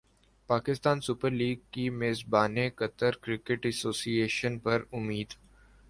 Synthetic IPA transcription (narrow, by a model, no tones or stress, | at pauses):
paːkɪst̪aːnsʊpəɾliːɡ̚kimeːzbaːnekɐt̪əɾkɾɪkɪʈɛsoːsieːʃənpɐɾʊmiːd̪